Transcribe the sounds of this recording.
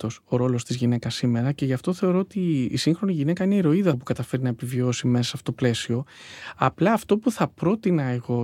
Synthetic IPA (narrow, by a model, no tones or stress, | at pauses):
o̞so̞ɾo̞lo̞st̪izʝine̞kɐsime̞ɾɐce̞ʝɐft̪oθe̞o̞ɾoːot̪iːsiŋxɾo̞niʝine̞kɐineiɾo̞iðɐpukɐt̪ɐfe̞ɾinɐepivio̞simeɐsɐfoot̪ople̞sio̞ɐplɐːft̪o̞puθɐpɾo̞t̪inɐeɣo̞